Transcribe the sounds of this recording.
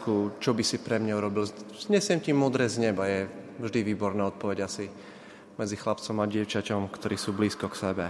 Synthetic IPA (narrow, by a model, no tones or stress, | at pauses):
kut͡ʃɔbisipɾɛmɲauɾɔbilzɲɛsɪɛmcimʊɔd̪ɾɛːzɲɛbajɛ | vʒd̪iʋiːbɔɾnaːɔt̪̚pɔʋɛɟasi | mɛd͡zixlap̚t͡sɔmaɟɪɛʊt͡ʃacɔmkt̪ɔɾiːsuːbliːskɔksɛbɛ